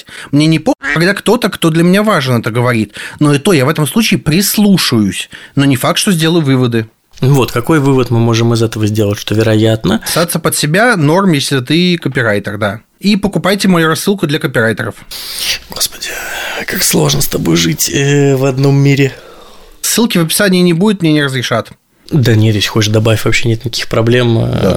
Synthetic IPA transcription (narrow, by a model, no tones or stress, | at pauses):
mnʲe̞nʲɪpomʲkɐɡd̪akt̪o̞t̪əkt̪o̞d̪lʲəmʲɪnʲavaʐnɛt̪əɡəvɐɾʲit̪noit̪ojavɛt̪əmslˠut͡ɕɪːpɾʲɪslˠuʂɨjʊsʲno̞nʲɪfak̚t̪ʂt̪ozʲdʲe̞lˠəjʊvɨvəd̪ɨ | nʊvo̞t̪kɐko̞jvɨvət̪mɨmo̞ʐɨmɨzɛt̪əvəzʲdʲe̞lˠətʲʂt̪ovʲɪɾɐjat̪nəst̪at̪səpət̪sʲɪbʲano̞rmjesʲlʲɪt̪ɨkəpʲɪɾajt̪ərd̪a | ipəkʊpajtʲɪmɐjuɾɐsːɨlˠkʊd̪lʲɐkəpʲɪɾajt̪əɾəfɡo̞spədʲɪkakslˠo̞ʐnəst̪ɐbojʐɨtʲəvɐd̪no̞mːʲiɾʲɪ | sːɨlˠkʲɪvəpʲɪ̥sanʲɪjːnʲɪbudʲɪt̪nʲenʲɪɾəzɾʲɪʂat̪ | d̪anʲet̪jʲesʲxo̞t͡ɕɪʂd̪ɐbavʲɪfʲvɐpɕːenʲet̪nʲɪkɐkʲixpɾɐblʲe̞md̪a̰